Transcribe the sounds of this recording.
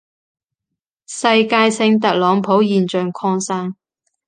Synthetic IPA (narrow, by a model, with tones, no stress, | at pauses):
sɐ˧jkaː˧jsɪ˧ŋt̪ɐ˨k̚lɔː˨˧˥ŋpʰo˨˥wjiː˨nt͡ʃœː˨˩ŋkʰɔː˧ŋsaː˥ŋ